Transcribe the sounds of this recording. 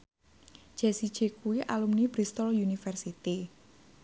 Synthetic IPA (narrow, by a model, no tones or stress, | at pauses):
d̥ʒ̥ɛsid̥ʒ̥e̤kuwiʔalumnib̥ɾist̪ɔljunifɛrsit̪i